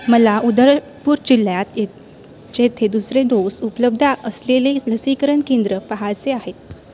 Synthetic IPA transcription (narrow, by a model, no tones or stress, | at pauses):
məlaʔud̪əɾ | puːɾt͡ɕilːjat̪e | t͡ɕet̪ʰed̪usɾed̪osupələb̚d̪ʱaʔəsleleləsikəɾənkend̪ɾəpaɦat͡seaɦet̪̚